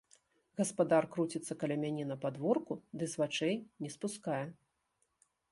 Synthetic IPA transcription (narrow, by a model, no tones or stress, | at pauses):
ɣɐspad̪arkɾut͡sʲit̪sːɐkɐlʲɛmʲanʲɛnɐpad̪vɔrkud̪ɨzvat͡ʂɛjnʲɛspuskajɛ